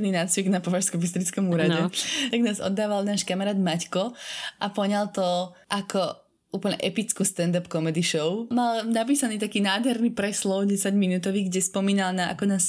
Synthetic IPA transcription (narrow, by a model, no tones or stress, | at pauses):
ninaːt͡sʋiɡnapɔʋaʃskɔmbist̪ɾit͡skɔmuːɾaɟɛt̪aɡnaːzɔ̰d̪ːaːʋalnaːʃkamaɾaːd̪mackɔʔapɔɲalt̪ɔʔakʰɔ | ʔuːplɲɛ̰ʔɛpit͡skuːst̪ɛnd̪apkɔmɛd̪iʃɔʊmalnapiːsaniːt̪akiːnaːd̪ɦɛɾnipɾɛslɔʊɟɛsaɟminuːt̪ɔʋiːɡɟɛspɔmiːnalnaʔa̰kɔnaːs